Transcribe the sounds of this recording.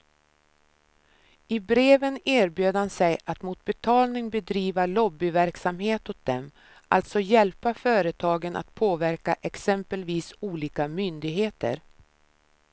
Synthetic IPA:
ɪbɾeːvəneːɾbjøːd̪hansɛjat̪mut̪̚bɛt̪ʰɑːlnɪŋbɛd̪ɾiːvaɭɔbːɪvæɾksamheːt̪hʊt̪̚d̪ɛm | ʔa̰lt̪sɔjɛlpafœːɾət̪ʰɑːɡənʔa̰t̪̚pʰoːvæɾkaʔɛksɛmpəlviːsuːliːkamʏnd̪ɪɡɦeːt̪ə̰ɾ

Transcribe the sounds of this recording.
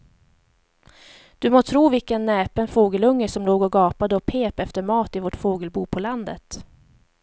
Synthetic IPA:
d̪̥ɵmoːt̪ʰɾuːvɪlkənːɛːpənfoːɡəlɵŋːəsɔmloːɡɔɡɑːpad̪əɔpʰeːpɛft̪əɾmɑːt̪ɪvoːʈfoːɡəlbuːpʰɔland̪ə̰t̪

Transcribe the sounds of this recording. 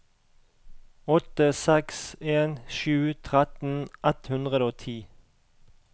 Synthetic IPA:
ɔt̪əsɛkseːnʃʉːt̪ʰʁɛt̪n̩ʔɛt̪hʉnd̪ʁəd̪oːt̪ʰiː

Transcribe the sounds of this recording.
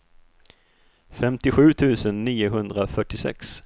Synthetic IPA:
fɛmt̪ɪɧʉ̟ːt̪ʰʉ̟ːsənːiːʊɦɵnd̪ɾafœʈːɪsɛ̰ks

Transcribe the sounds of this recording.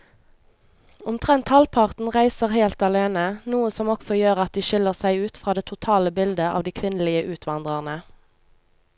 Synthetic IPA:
ʊmt̪ʰʁɛnt̪hɑlpʰɑʁt̪n̩ʁæɪsəʁheːlt̪ɑleːnənuːəsɔmɔksɔjøːʁɑt̪̚d̪iːʃɪləʁsæɪʉːt̪fʁɑːd̪eːt̪ʰʊt̪ʰɑːləbɪld̪əʔɑ̰ːʋd̪iːkʰʋɪnəliːəʔʉːt̪ʰʋɑnd̪ʁəʁnə

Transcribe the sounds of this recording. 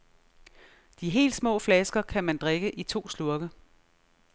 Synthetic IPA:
d̥iɦe̝̰ːld̥smɔ̰̽ːflɛsɡ̥ɐkʰæmænd̥ʁeɡ̥əʔit͡sʰo̝̰ːsluɐɡ̥ə

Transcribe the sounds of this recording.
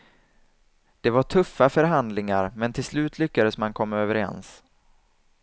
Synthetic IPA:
d̪̥ɛvaʈʰɵfːafœɾɦand̪lɪŋaɾmɛnt̪ʰɪlslʉ̟ːt̪ʰlʏkːad̪əsmankʰɔmːaøːvəɾɛ̰ns

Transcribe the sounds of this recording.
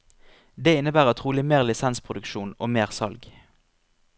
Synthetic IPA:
d̪eːɪnəbæːʁət̪ʰʁuːlɪmeːʁlɪsɛnspʰʁʊd̪ʉkʃuːno̰ːmeːʁsɑ̰lɡ

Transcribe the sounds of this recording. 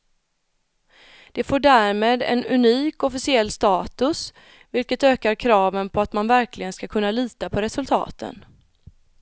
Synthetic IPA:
d̪̥ɛfoːɖæːɾmeːd̪ɛ̰nɵniːkɔfɪsɪɛlːst̪ɑːt̪ɵs | vɪlkət̪øːkaɾkʰɾɑːvənpʰɔat̪manvæɾkʰlɪɡənskakʰɵnːaliːt̪apʰɔɾɛsɵlt̪ʰɑ̰ːt̪ʰə̰n

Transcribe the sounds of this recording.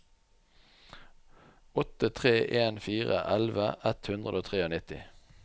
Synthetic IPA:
ɔt̪ət̪ʰʁeːʔeːnfiːʁə̰ʔælʋəʔɛt̪hʉnd̪ʁəd̪oːt̪ʰʁeːoːnɪt̪ɪ̰

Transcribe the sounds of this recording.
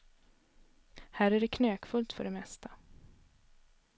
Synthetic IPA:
hæːɾæɖɛkʰnøːkfɵlt̪fœ̰ɖɛmɛst̪ʰa

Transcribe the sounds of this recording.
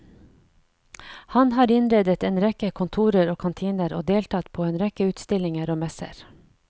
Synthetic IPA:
hɑnhɑːɾɪnɾeːd̪ət̪eːnɾɛkəkʰʊnt̪ʰuːɾəɾoːkʰɑnt̪ʰiːnəɾo̰ːd̪eːlt̪ʰɑt̪pʰoːeːnɾɛkəʉːt̪st̪ɪlɪŋəɾoːmɛsə̰ɾ

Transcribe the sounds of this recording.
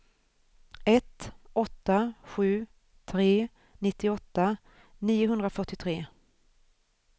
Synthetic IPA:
ɛt̪ʔɔt̪ːaɧʉ̟ː | t̪ʰɾeː | nɪt̪ːɪɔt̪ːa | niːʊɦɵnd̪ɾafœʈːɪt̪ʰɾeː

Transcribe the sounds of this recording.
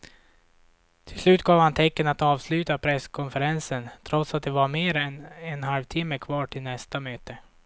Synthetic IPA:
t̪ʰɪlslʉ̟ːt̪̚ɡɑːvhant̪ʰɛkːənat̪ɑːvslʉ̟ːt̪apʰɾɛskʰɔnfəɾɛnsənt̪ʰɾɔt̪sat̪̚d̪ɛvaɾmeːɾɛnɛnɦalvt̪ʰɪmːəkʰvɑːʈʰɪlnɛst̪amøːt̪ə

